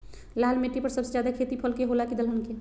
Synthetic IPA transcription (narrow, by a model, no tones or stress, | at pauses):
laːlmeʈːipəɾsəbsed͡ʒjaːd̪akʰeːt̪ipʰəlkeɦoːlakid̪əlɦʊnke